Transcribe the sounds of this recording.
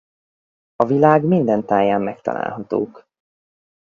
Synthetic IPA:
ɒvilaːɡmind̪ɛnt̪aːjːaːmːɛkt̪ɒ̰la̰ːlɦɒt̪o̰ːk

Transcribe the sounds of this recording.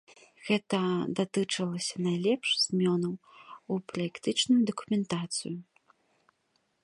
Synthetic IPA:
ɣɛt̪ɐd̪at̪ɨt͡ʂɐlˠɐsʲɐnajlʲɛpʂz̥ʲmʲɔnɐwupɾɐjɛkt̪ɨt͡ʂnujud̪ɐkumʲɛnt̪at̪sɨ̰ju

